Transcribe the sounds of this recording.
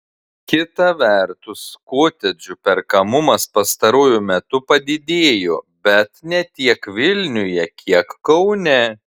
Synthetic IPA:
kʲɪt̪ɐʋʲɛˑɾt̪ʊskoːt̪ʲɛd͡ʒʲʊpʲɛɾkɐmʊmɐspɐst̪ɐɾuːjʊmʲɛt̪ʊpɐd̪ʲɪd̪ʲeːjoː | bʲɛt̪nʲɛt̪ʲiɛkʋʲɪlʲnʲʊjɛkʲiɛkkːɐʊnʲɛ

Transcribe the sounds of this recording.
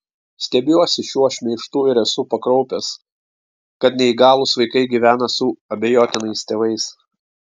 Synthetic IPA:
sʲt̪ʲɛbʲuɔsʲɪʃʲuɔʃʲmʲɛɪʃt̪uːɪɾɛsuːpɐkɾɔʊpʲɛs | kɐt̪nʲɛiɡɑːlˠʊsʋɐɪkɐɪɡʲiʋʲæːnɐsʊɐbʲɛjoːt̪ʲɪnɐɪst̪ʲeːʋɐɪs

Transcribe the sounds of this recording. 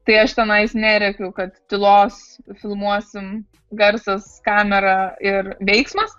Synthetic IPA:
t̪ɐɪɐʃt̪ʲɛnɐɪsnʲæːɾʲɛkʲʊkɐt̪t̪ʲɪlˠoːs | fʲɪlˠmuɔsʲɪm | ɡɐɾsɐskɑːmʲɛɾɐɪrʋʲɛɪksmɐs

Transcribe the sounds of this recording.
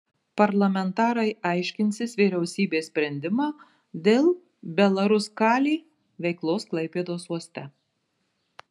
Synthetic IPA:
pɐɾlˠɐmʲɛnt̪ɑːɾɐɪʔɑˑɪʃʲkʲɪnʲsʲɪsʋʲiːɾʲɛʊsʲiːbʲeːsʲpʲɾʲɛnʲd̪ʲɪmɑː | d̪ʲeːlˠ | bʲɛlˠɐɾʊskɑːlʲiː | ʋʲɛɪklˠoːsklˠɐɪpʲeːd̪oːsuɔsʲt̪ʲɛ

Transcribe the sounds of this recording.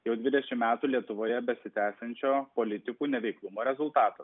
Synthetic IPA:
jɛʊd̪ʲʋʲɪd̪ʲɛʃʲɪmmʲæːt̪uːlʲiɛt̪ʊʋoːjɛbʲɛsʲɪt̪ʲæːsʲɛnʲt͡ʃʲoːpoːlʲɪt̪ʲɪkuːnʲɛʋʲɛɪklˠʊmoːɾʲɛzʊlˠt̪ɑːt̪ɐ

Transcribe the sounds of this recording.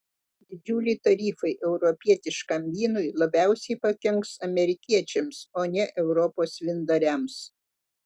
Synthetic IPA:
d̪ʲɪd͡ʒʲuːlʲɪt̪ɐɾʲiːfɐɪʔɛʊɾɔpʲiɛt̪ʲɪʃkɐmʲʋʲiːnʊjlˠɐbʲæˑʊsʲɛɪpɐkʲɛŋksɐmʲɛɾʲɪkʲiɛt͡ʃʲɛmsoːnʲɛʔɛʊɾɔpoːsʋʲɪnd̪ɐɾʲɛms

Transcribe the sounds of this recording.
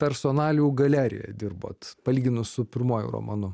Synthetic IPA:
pʲɛɾsoːnɑːlʲuːɡɐlʲæːɾʲɪ̰jɛ̰d̪ʲɪrbo̰ːt̪pɐlʲiːɡʲɪnʊssʊpʲɪɾmoɔjʊ̰ɾo̰ːmɐnʊ

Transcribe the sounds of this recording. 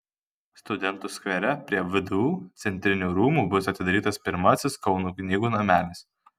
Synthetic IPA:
st̪ʊd̪ʲɛnt̪ʊsʲkʋʲɛɾʲɛpʲɾʲiɛʋʲɪd̪uut̪sʲɛnʲt̪ʲɾʲɪnʲuːɾuːmuːbʊsɐt̪ʲɪd̪ɐɾʲiːt̪ɐspʲɪɾmɐsʲɪskɒʊnuːknʲiːɡuːnɐmʲæːlʲɪs

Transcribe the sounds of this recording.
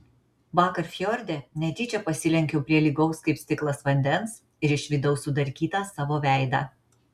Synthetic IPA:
ʋɑːkɐɾfʲjɔɾʲd̪ʲenʲɛt̪ʲiːt͡ʃʲɛpɐsʲɪlʲɛŋʲkʲɛʊpʲɾʲiɛlʲiːɡɐʊskɐɪpst̪ʲɪklˠɐsʋɐnʲd̪ʲɛns | ɪɾɪʃʲʋʲɪd̪ɐʊsud̪ɐɾʲkʲiːt̪ɑsɑːʋoːʋʲæˑɪd̪ɑ̰ː

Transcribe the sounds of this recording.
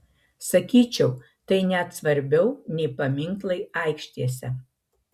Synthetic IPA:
sɐkʲiːt͡ʃʲɛʊ | t̪ɐɪnʲæt̪sʋɐɾʲbʲɛʊnʲɛɪpɐmʲɪŋklˠɐɪɐˑɪkʃʲt̪ʲiɛsʲɛ

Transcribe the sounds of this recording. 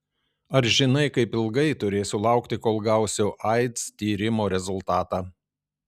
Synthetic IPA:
ɐɾʒʲɪnɐɪkɐɪpɪlˠɡɐɪt̪ʊɾʲeːsʲʊlˠɑˑʊkt̪ʲɪkoːlˠɡæˑʊsʲoːʔɐɪt̪st̪ʲiːɾʲɪmoːɾʲɛzʊlˠt̪ɑːt̪ɑː

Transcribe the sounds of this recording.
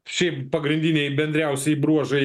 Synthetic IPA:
ʃʲɛɪppɐɡɾʲɪnʲd̪ʲinʲɛɪbʲɛnʲd̪ʲɾʲɛˑʊsʲɛbɾuɔʒɐɪ

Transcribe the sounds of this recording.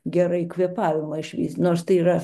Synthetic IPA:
ɡʲɛɾɐɪkʋʲiɛpɑːʋʲɪmɐɪʃʲʋʲḭsʲnoːrst̪ɐɪiːɾɐ

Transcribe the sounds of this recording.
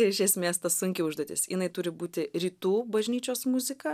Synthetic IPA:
ɪɾɪʃʲɛsʲmʲeːst̪ɐssʊŋʲkʲɪʊʒd̪oːt̪ʲɪ̰sjɪnɐɪt̪ʊɾʲɪbuːt̪ʲɪɾʲiːt̪uːbɐʒʲnʲiːt͡ʃʲoːsmʊzʲɪkɐ

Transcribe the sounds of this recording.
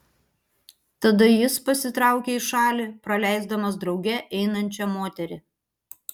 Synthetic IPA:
t̪ɐd̪ɐjɪspɐsʲɪt̪ɾɑˑʊkʲɛɪʃɑːlʲipɾɐlʲæˑɪzd̪ɐmɐsd̪ɾɒʊɡʲɛʔɛɪnɐnʲt͡ʃʲɛmoːt̪ʲɛɾʲɪ

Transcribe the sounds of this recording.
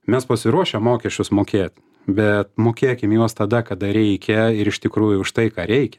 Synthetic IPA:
mʲɛspɐsʲɪɾuɔʃʲɛmːoːkʲɛʃʲt͡ʃʲʊsmoːkʲeːt̪ʲ | bʲɛt̪moːkʲeːkʲɪmjuɔst̪ɐd̪ɐkɐd̪ɐɾʲɛɪkʲɛɪɾɪʃt̪ʲɪkɾuːjʊʊʃt̪ɐɪkɑːɾʲɛɪkʲɛ̥

